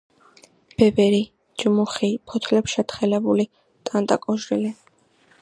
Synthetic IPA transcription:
b̥ɛvɛɾi | d͡ʒmuχipʰɔt̪ʰlɛpʃɛt̪ʰχɛlɛbuli | t̪ʼant̪ʼa̰kʼɔʒɾili

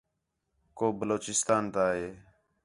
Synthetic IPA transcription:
koːbəloːt͡ʃɪst̪aːnt̪aːɦeː

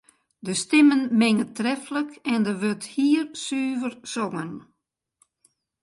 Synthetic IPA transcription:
dəstɪmənmɪŋətrɛfləkɛndəʋøthiːrsyːvərsɔŋən

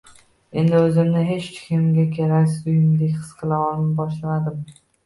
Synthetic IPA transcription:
e̞nd̪ɪɵzɪmnɪɦe̞t͡ʃt͡ʃ̪ʰɪ̥kʲɪmɡʲakʲʰeɾakʲsɪzʊjɪmd̪ekʲχɨ̥sqʰɨlˠaɒlɪbɒʃlad̪ɪm

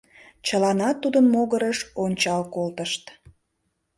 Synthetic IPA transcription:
t͡ɕəlɑnɑt̪ːud̪ənmoɣəɾəʃonʲt͡ɕɑlkolt̪əʃt̪

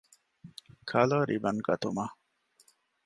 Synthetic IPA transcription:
kʰɐloːɾʔibɐŋɡɐt̪uma

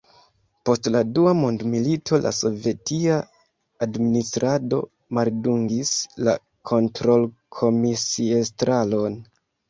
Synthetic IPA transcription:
po̞stladuamondmilitʰo̞lʔa̰so̞vje̞tiaː | dministɾʔado̞̰ | malduŋɡisla̰ | kʰo̞ntɾo̞lkʰo̞misiestɾalo̞n

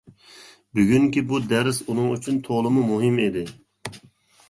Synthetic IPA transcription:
byɡʲyŋkʲibud̪æɾsunɨŋyt͡ʃʰynt̪ʰoʁlˠɨmumuɦɪmed̪ɪ

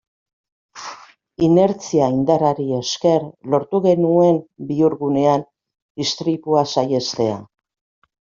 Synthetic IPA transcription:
ine̞ɾt͡siaind̪aɾaɾie̞ske̞ɾlo̞ɾt̪uɣe̞nue̞mbiuɾɣune̞an | d̪ist̪ɾipuasaje̞st̪e̞a̰

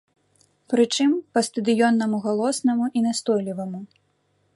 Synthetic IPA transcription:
pɾɨt͡ʂɨmpɐst̪ɐd̪ɨjɔnːɐmuɣalˠɔsnɐmuʔinast̪ɔjlʲivɐmu

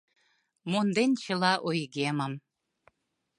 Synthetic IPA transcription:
mond̪enʲt͡ɕə̆lɑʔojɣemə̆m

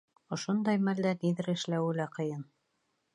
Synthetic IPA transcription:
ŏʃond̪ɑjmæld̪æniðɘɾɘ̆ʃlæwɘ̆læqɤ̆jɤn

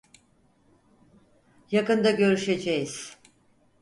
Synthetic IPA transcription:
jakɯnd̪aɟø̞ɾyʃe̞d͡ʒejiz̥

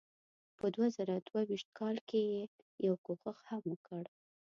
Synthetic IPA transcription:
pəd̪wazaɾad̪̥wawiʃt̪̚kʰɑlkeje | jawkoxəxhamwəkəɽ

